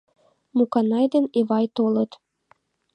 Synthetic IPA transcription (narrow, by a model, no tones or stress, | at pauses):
mukɑnɑjd̪eneβɑjt̪olɤ̆t̪